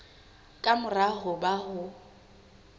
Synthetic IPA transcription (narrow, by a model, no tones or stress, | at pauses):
kʼamʊraɦʊbaɦʊ